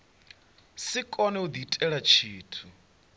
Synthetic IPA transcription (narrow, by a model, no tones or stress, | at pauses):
sikʼɔnɛud̪itʼɛɺat͡ʃʰiːtʰu